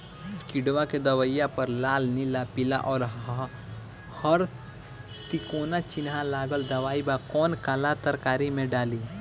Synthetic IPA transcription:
kɪɖʋaked̪əwəjapəɾlaːlnɪlapɪla̰ʔɔːɾ | həɾ | t̪ikoːnat͡ʃɪnɦalaːɡəld̪ɐʋaːibakɔːnkalat̪əɾkaːɾimẽɖaːli

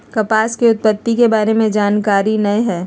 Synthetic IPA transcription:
kɐpaːskiʊt̪̚pət̪ːikebaːɾemẽd͡ʒaːnkaːɾinɐjɦɛː

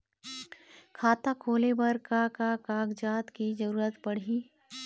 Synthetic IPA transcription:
kʰaːt̪akʰoːlebɐɾkakakaːɡd͡ʒaːt̪kid͡ʒɐɾuːɾət̪pɐɽ̤iː

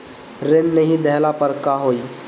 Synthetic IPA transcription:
ɾemnəɦĩd̪ɛɦlapəɾkaɦoːiː

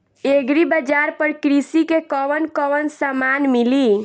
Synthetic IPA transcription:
eɡɾibəd͡ʒaɾpəɾkɾisikekɔʋənkɔʋənsamanmili

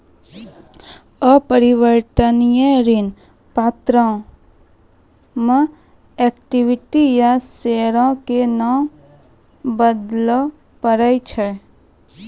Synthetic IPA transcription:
əpəɾɪʋəɾt̪ənijẽɾin | paːt̪ɾã | mə̃ | ɛkʈiʋɪʈijaseɾãkena | bəd̪lɔ | pəɾəit͡ʃʰə

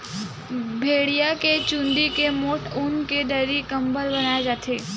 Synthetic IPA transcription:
bʱeːɽijaket͡ʃũnd̪ikemoːʈʰunkeɖəɾikəmbəɾbənajad͡ʒaːt̪ʰe

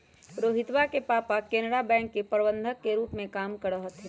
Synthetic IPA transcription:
ɾoːɦɪt̪ʋakepaːpakeːnəɾabɛ̃ːŋkːepəɾbə̃nd̪ʱəkːeɾuːpmẽkaːmkəɽəɦt̪ʰ

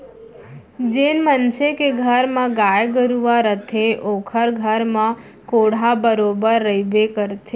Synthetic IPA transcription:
d͡ʒenmənsekeɡʱəɾmãɡajɡəɾuʋaɾət̪ʰeʔokʰəɾɡʱəɾmã | koɽ̤abəɾobəɾːəibekəɾt̪ʰe

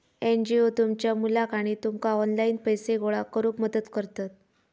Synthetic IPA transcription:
end͡ʑiot̪umt͡ɕjamulakaɽ̃it̪umkaɔnlainpəjseɡoɭakəɾuːkməd̪əd̪kəɾt̪at̪̚

